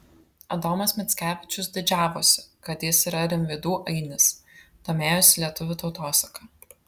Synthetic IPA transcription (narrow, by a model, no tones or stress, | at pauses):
ɐd̪oːmɐsmʲɛt̪sʲkʲæːʋʲɪt͡ʃʲʊs̬d̪ʲɪd͡ʒʲæːʋoːsʲɪ̥kɐt̪jɪsiːɾɐɾʲɪmʲʋʲɪd̪uːʔɐɪnʲɪst̪oːmʲeːjʊsʲɪlʲiɛt̪ʊʋʲʊt̪ɒʊt̪oːsɐkɐ